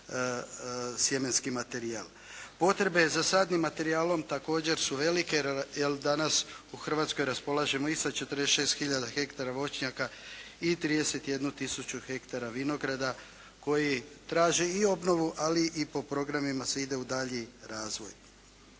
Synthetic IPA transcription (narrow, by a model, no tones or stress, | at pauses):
sje̞me̞nskimat̪e̞ɾial | po̞t̪ɾe̞be̞zasaːd̪nimːat̪e̞ɾiaːlo̞mt̪ako̞ːd͡ʑe̞ɾsuʋe̞like̞jeld̪anasuxr̩ʋaːt̪sko̞jɾaspo̞lˠaʒe̞mo̞isat͡ʃe̞t̪əɾd̪eʃe̞ːst̪xiʎad̪axe̞kt̪aɾaʋo̞t͡ʃɲakait̪ɾiːd̪e̞se̞t̪je̞d̪nut̪isut͡ʃuxe̞kt̪aɾaʋino̞ɡɾad̪a | ko̞jit̪ɾaːʒeio̞bno̞ʋuʔaliʔipo̞pɾo̞ɡɾamimaseid̪e̞ud̪aʎiɾaːzʋo̞̰j